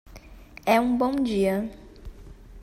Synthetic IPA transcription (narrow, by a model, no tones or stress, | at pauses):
ɛũbõw̃d͡ʒiɐ